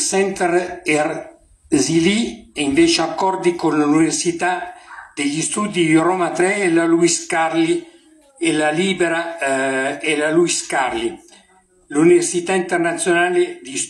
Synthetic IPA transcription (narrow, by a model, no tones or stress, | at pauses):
sɛnt̪ɛrɛr | ziliɛiɱveːt͡ʃeakːɔrd̪ikonlauuniversit̪ad̪eʎist̪ud̪id̪irɔmat̪ɾɛlaluiskarli | elaliːbeɾa | elaluiskarli | luniversit̪aint̪ernat̪sjonaːled̪is